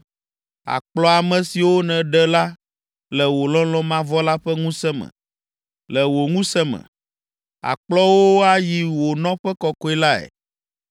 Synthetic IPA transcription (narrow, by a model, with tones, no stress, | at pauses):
a̰˨k͡plɔ˦a˨mɛ̃˨si˨wo˦nɛ̃˨ɖɛ˦la˦ | lɛ˨wo˨lɔ̃˦lɔ̃˦mã˦vɔ˦la˦ɸɛ˦ŋũ˦sɛ˦mɛ̰̃˨ | lɛ˨wo˨ŋũ˦sɛ˦mɛ̰̃˨ | a̰˨k͡plɔ˦wo˦a˦ji˨wo˨nɔ̃˦ɸɛ˦kɔ˦kɔ˦i˦la˦ɛ̰˨